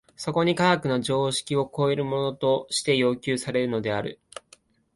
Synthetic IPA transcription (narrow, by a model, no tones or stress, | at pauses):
so̞ko̞ɲ̟ikaɡakɯ̟no̞ʑo̞ːɕi̥kʲio̞ko̞eɾɯ̟mo̞no̞t̪o̞ɕi̥t̪e̞jo̞ːkʲɨːsaɾe̞ɾɯ̟no̞d̪e̞aɾɯ̟̰